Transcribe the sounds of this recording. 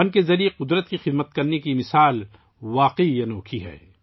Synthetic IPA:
ɐnkezɐɾijeqʊd̪ɾət̪̚kixɪd̪mət̪̚kɐɾnekimɪsaːl | ʋaːqeijɐnoːkʰiɦɛ̰ː

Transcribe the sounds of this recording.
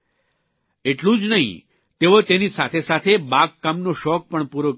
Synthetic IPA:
eʈlũd͡ʒnəɦḭ̃ | t̪eot̪enisat̪ʰesat̪ʰebakːamnoʃɔk̚pəɳpuɾo

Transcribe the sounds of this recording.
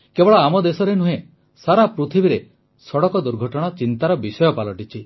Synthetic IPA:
kebɔɭɔamɔd̪esɔɾenũɦẽ | saɾapɾut̪ʰibiɾe | sɔɽɔkɔd̪uɾɡʱɔʈɔɽ̃at͡ʃint̪aɾɔbisɔjɔpalɔʈit͡ʃʰi

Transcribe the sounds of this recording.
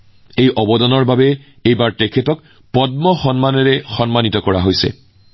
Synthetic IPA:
ejʔɔbɔdɔnɔɹbabɛ | ejbaɹtekʰetɔk̚ | pɔdmɔxɔnmanɔɹɛxɔnmanitɔkɔɹa̰ɦojsɛ̰

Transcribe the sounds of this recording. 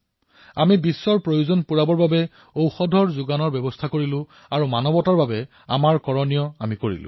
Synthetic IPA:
amibisːɔɹpɹojuzɔnpuɹabɔɹbabɛ | owxɔdʱɔɹzʊɡanɔɹbɛbɔstʰakoɹilʊ̃ | aɹumanɔbɔtaɹbabɛ | a̰maɹkɔɹɔnijɔa̰mikoɹḭlʊ̰̃

